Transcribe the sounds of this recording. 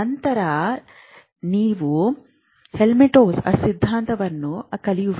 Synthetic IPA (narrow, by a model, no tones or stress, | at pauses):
ɐnt̪ɐɾɐ | niːʋu | helmiʈoːsɐ̰sid̪ʱːaːnt̪ɐʋɐnːukɐlijuʋ